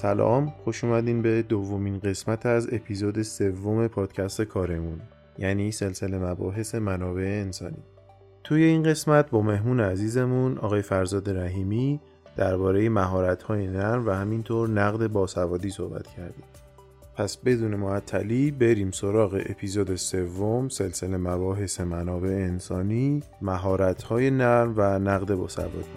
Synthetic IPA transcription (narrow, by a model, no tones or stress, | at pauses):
sælɒ̰ːmxo̞ʃuːmæd̪iːmbe̞d̪ovːo̞miːnɢe̞smæt̪ʰæze̞pʰiːzoːd̪e̞se̞vːome̞pʰɒːd̪̥cʰæst̪e̞kʰɒːɾe̞mun | jæniːse̞lse̞le̞mæbɒ̰ːɦe̞se̞mænɒːbe̞eːnsɒ̰ːnḭː | t̪ʰuːje̞inɢe̞smæt̪̚bɒːme̞ɦmuːneæziːze̞munɒ̰ːɣɒːjefæɾzɒːd̪eɾæɦiːmiː | d̪̥æɾbɒːɾe̞jemæɦɒːɾæt̪ʰhɒːje̞næɾmvæhæmint̪ʰoːɾnæɣd̪e̞bɒːsævɒːd̪iːsohbæ̰t̪ʰcʰæɾd̪ḭːm | pʰæsbe̞d̪uːne̞moæt̪ʰːæliːbe̞ɾiːmsoɾɒːɣe̞̰ʔepʰiːzoːd̪ese̞vːomse̞lse̞le̞mæbɒːɦe̞se̞mænɒːbe̞ʔeːnsɒːniːmæɦɒːɾæt̪ʰhɒːje̞næɾmvænæɣd̪e̞bɒ̰ːsæ̰vɒ̰ːd̪̥i